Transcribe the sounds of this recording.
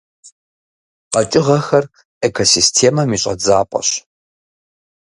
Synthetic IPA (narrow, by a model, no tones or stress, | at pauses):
qɐt͡ʃʼɪʁɐxɐr | ekʰosistʰeːmɐmiːɕʼɐ̰d͡zaːpʼɐ̰ɕ